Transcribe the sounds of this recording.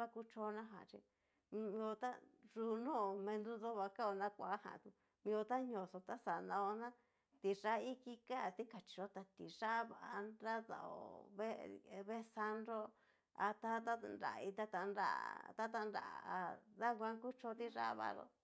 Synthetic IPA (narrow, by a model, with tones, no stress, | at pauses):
βa˦ku˦t͡ʃo˧˦˧nã˦ɦã̰˨t͡ʃḭ˧ | m˧ĩ˧o˧t̪a˦ʐu˧nõː˦˨mẽ˧nd̪u˦ðo˦βa˧ka˦o˧nã˦kʷa˨˦hã̰˨t̪u˧ | mĩ˧o˧t̪a˦ɲõ˨so˧t̪a˦sa˨nã˧o˧nã˦ | t̪i˧ʐa˦i˦ki˦ka˦˨t̪i˦ka˨t͡ʃi̥˨˧ʐo˦t̪a˧t̪i˨ʐa˦βa˨ʔnɾa˦ða̰˨o̰˨βe˦˧βe˦sa˧nɾo˦ | a˧t̪a˦t̪a˦nɾa̰˨˧i˧t̪a˦t̪a˧nɾa̰˦˨t̪a˦t̪̬a˧nɾa̰˨a˧ða˦kʷã˧˦ŋku˦t͡ʃo˧˦˧t̪i˦ʐa̰˦βa̰˧ɾo̰˦